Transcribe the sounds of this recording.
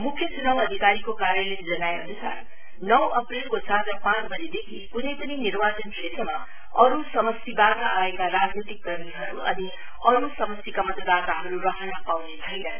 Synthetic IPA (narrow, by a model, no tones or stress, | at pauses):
mukʰːjʌt͡sunawʌd̪ʱikaɾikokaɾjʌled͡zʌnaeɦʌnusʰa̰ | nʌwʌprilkosat̪ʌpãt͡sbʱʌɾid̪ekʰikunʌjpʌninirbat͡sʌnsesʌmːʌ | ʌɾusʌmʌsibat̪aːekaɾad͡znit̪ik̚ːɡʌrniɦʌɾuʌ̰ni | ʌɾusʌmʌsikamʌt̪əd̪at̪aɦʌɾuɾʌɦʌnʌpawnet͡sʰʌjnʌ